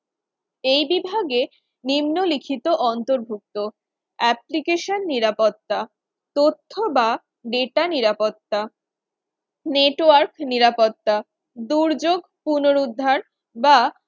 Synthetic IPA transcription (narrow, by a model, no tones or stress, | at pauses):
ejbibʱaɡe | nimnolikʰit̪oʔɔnt̪oɾbʱuk̚t̪o | ɛplikeʃonːiɾapot̪ːa | t̪ot̪ʰːoba | ɖeʈaniɾapot̪ːa | neʈoaɾkniɾapot̪ːa | d̪uɾd͡ʑoɡpunoɾud̪ʱːaɾ | ba